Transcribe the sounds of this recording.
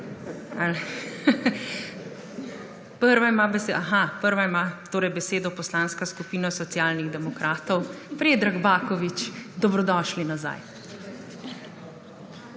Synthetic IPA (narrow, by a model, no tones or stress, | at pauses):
al | pəɾʋaimabɛseaxapəɾʋaimat̪oːɾɛjbɛseːd̪ɔpɔslanskaskupiːnɔsɔt̪sjaːlniɣd̪ɛmɔkɾʔaːt̪ɔwpɾeːd̪ɾaɡbaːkɔʋit͡ʃd̪ɔbɾɔd̪ɔːʃlinaza̰j